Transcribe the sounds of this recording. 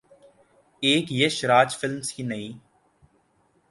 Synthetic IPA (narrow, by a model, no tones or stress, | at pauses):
eːkjəʃɾaːd͡ʒfɪlmsiːnəĩː